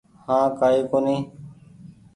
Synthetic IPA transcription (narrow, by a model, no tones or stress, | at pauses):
hãːkaːeːkoːnẽː